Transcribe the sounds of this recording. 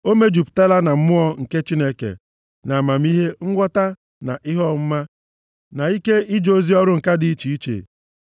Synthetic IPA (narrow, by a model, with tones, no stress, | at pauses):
o˦me˦d͡ʒu˨pta˦la˦na˨m̩˦mʊ˦ɔ˦ŋ̩˨ke˦t͡ʃi˦ne˦kḛ˨ | na˨ma˨m˦i˦ɦe˦ŋ̩˦ɡʷɔ˦ta˦ | na˨ʔɪ˦ɦɔ˦m̩˦ma˦ | na˨i˦ke˦i˦d͡ʒo˨zi˦ɔ˦ɾʊ˦ŋ̩˨ka˦dɪ˨i˦t͡ʃi˨i˦t͡ʃḛ˨